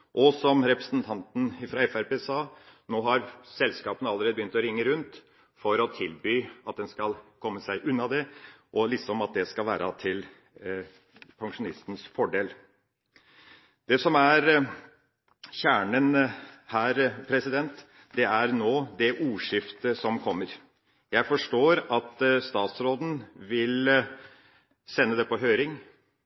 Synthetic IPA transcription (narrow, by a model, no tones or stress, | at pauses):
ʔɔsɔmɾɛpɾəsnt̪ʰɑnt̪n̩fɾɑɛfæɾpeːsɑːnoːɦɑɾsɛlskɑːpənəɑləɾeːd̪əbjʏnt̪ɔɾɪŋːəɾʉnt̪ | fɔɾɔt̪ʰɪlbyːɑt̪̚d̪ɛnskɑlkʰɔmːəsæɪʔʉnːɑd̪ɛʔɔlɪksɔmɑt̪̚d̪ɛskɑlʋæ̰ːɾʔɑt̪ʰɪl | pʰɑŋʂʊnɪst̪n̩sfɔɖeːl | d̪̥ɛsɔmæɾ | çæːɳənhæːɾpʰɾɛsɪd̪ɛnt̪ | d̪ɛæɾnoːd̪ɛʔuːʂɪft̪əsɔmkʰɔmːəɾ | jæɪfɔʂʈoːɾɑt̪st̪ɑːt̪sɾoːd̪n̩ʋɪl | sɛnːəd̪ɛpʰɔɦøːɾɪŋ